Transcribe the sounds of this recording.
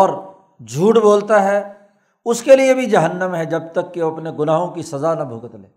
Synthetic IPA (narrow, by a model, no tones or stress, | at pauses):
ɔːɾ | d͡ʒʱuːʈboːlt̪aɦɛː | ʊskeliebʱid͡ʒɐɦənːəmɦɛd͡ʒɐb̚t̪ɐkːeɐpneɡʊnaːɦõkisɐzanɐbʱʊːkət̪lḛː